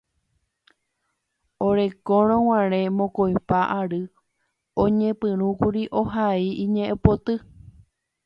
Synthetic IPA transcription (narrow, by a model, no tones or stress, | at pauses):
oɾe̞koɾ̃õw̃ãɾ̃ẽ̞mõkojpaʔaɾɨ | õɲẽpɨ̃ɾ̃ũkuɾiʔo̞ɦaiĩɲẽʔepot̪ɨ